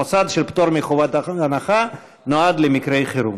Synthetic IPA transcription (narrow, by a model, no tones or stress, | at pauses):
osad̪ʃelpt̪oɾmeχovatanaχa | noad̪lemikɾejχeɾu